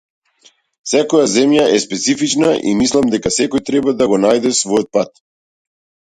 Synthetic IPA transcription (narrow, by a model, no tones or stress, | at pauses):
sɛkɔjazɛmjaʔɛspɛt̪sifit͡ʃnaʔḭmislˠamd̪ɛkasɛkɔjt̪ɾɛbad̪aɡɔnajd̪ɛsvɔjɔt̪̚pat̪̚